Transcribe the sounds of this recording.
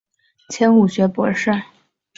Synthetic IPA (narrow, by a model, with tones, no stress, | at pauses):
t͡ɕʰjɛ˧˥nu˨˩ɕɥɛ˧˥pwɔ̰˧˥ʂɻ̩˥˩